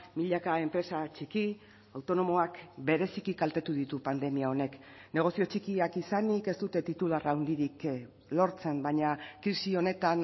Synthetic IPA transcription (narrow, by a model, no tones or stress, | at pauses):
miʎakae̞mpɾe̞sat͡ʃiki | awt̪o̞no̞mo̞akbe̞ɾe̞sikikalt̪et̪uðit̪upand̪e̞miao̞ne̞kne̞ɣ̞o̞sio̞t͡ʃikiakisanike̞st̪ut̪e̞t̪it̪ularawnd̪iɾik | lo̞ɾt͡se̞mbaɲakɾisio̞ne̞t̪an